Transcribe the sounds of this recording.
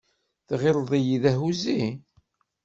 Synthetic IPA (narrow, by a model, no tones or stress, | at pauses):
θʁɪlˤðˤijiðæɦuzi